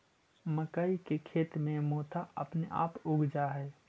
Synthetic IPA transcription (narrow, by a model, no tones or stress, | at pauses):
məkaːikekʰeːt̪mẽmoːt̪ʰaə̰pneʔa̰ːpʊɡʱd͡ʒaɦɛː